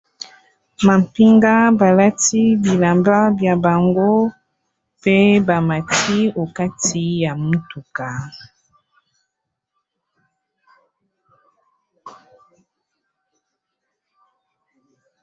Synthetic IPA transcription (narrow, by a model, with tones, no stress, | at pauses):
ma˨mpi˦ŋɡa˦ba˨la˦ti˦bi˨la˨mba˦bja˨ba˨ŋɡo˦ | pe˦ba˨ma˨tʰi˦o˨ka˦tʰi˦ja˨mu˦tu˨ka˨